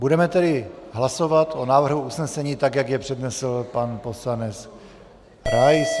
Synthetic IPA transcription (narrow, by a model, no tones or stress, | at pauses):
budɛmɛt̪ɛdɪɦlaso̞vat̪ʔonaːvr̩ɦuʔusnɛsɛɲiːt̪aɡjaɡjɛpr̥ɛdnɛsl̩panpo̞slanɛt͡s | ɾajs